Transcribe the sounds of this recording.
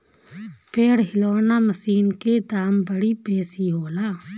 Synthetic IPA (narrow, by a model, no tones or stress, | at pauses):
peːɽɦɪloːnaməsiːnked̪aːmbəɽipeːsiɦoːlaː